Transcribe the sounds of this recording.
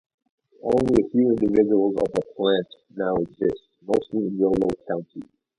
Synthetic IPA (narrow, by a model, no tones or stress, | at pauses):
õʊ̃nliəfjʉɪ̃ndɨvɪd͡ʒəl̩ˠzʌ̰vəpʰl̥æ̃nʔ | naʊɨɡzɪstmoʊstˡliɨ̃nwɪlˠoʊkʰãʊ̃ntʰi